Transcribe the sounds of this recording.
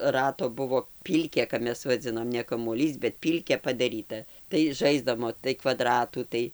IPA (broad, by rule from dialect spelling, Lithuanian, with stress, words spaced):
ˈrɑːtoː ˈbʊʋoː ˈpʲiːlʲkʲeː kɐp ˈmʲɛs ʋɐˈd͡zʲɪnoːm nʲɛ kɐmuɔˈlʲiːs bʲɛt ˈpʲiːlʲkʲeː pɐdɐˈrʲiːtɐ tɐɪ ˈʒɐɪzdɐmoː tɐɪ kʋɐˈdrɑːtuː ˈtɐɪ